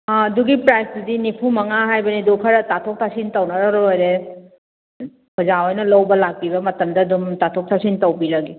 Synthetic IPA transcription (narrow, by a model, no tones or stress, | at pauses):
ɐduɡipɾajsdudinipʰumɐŋaɦajbɐnidukʰɐɾɐtatʰok̚tʰasintɐwnɐɾɐɾoojɾe | pʰɐzaojnɐlɐwbɐlak̚pibɐmɐtɐmdɐːdumtatʰok̚tʰasintɐwbiɾɐɡi